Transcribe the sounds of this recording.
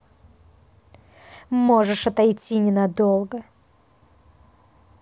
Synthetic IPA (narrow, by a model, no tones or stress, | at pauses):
mo̞ʐɨʂɐt̪ajtʲinʲɪnɐd̪olˠɡə